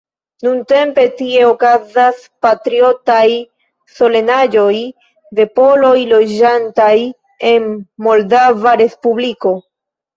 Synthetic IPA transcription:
nunte̞mpe̞tie̞o̞kazas | patɾio̞taj | so̞le̞nad͡ʒo̞j | de̞po̞lo̞jlo̞d͡ʒantaj | e̞nmo̞ldavaɾe̞spubliko̞

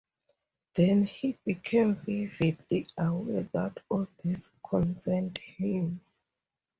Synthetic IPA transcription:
ðɛ̃nhibikʰẽmvividliawɛðatʰɔðiskʰɔ̃nsɛndhĩm

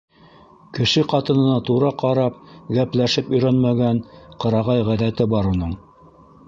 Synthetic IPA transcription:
kɘ̆ʃɘqɑt̪ɤ̆nɤ̆nɑt̪uɾɑqʰɑɾɑp̚ɡæplæʃɘpɵ̆jɾænmæɡænqɤ̆ɾɑʁɑjʁæðæt̪ɘbɑɾunɤɴ

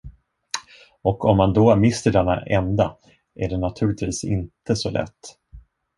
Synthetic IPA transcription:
ɔkʰɔmːand̪omɪst̪əɖɛnːa̰ʔɛnd̪a | ʔæɖɛnat̪ʰʉ̟ːlɪkt̪viːsɪ̰nt̪əsɔlʔɛ̰t̪ː

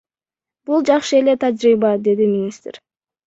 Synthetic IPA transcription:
b̥ulˠd͡ʒɑqʃɯe̞le̞t̪ʰad͡ʒɾibɑd̪e̞d̪imʲɪnʲist̪ɾ

